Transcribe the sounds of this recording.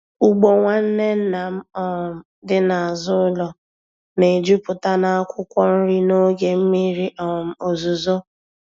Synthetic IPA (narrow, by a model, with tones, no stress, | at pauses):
u˦ɡ͡bo˨ŋʷa˦n̩˦ne˦n̩˦na˨m̩˦ɔ˦m̩˨ | dɪ˦na˨a˨zʊ˦lɔ˨ | ne˨d͡ʒu˦pʊ˨ta˦na˦a˦kʷʊ˦kʷɔ˦n̩˦ɾi˦no˦ɡe˨m̩˦mi˦ɾi˦ʔɔ˨m̩˨o˨zu˨zo˦